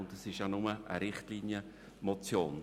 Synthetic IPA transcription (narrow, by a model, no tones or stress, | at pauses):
ʊndɑsɪʃjanʊməʔəɾɪχtliːnjə | mɔt͡sjoːn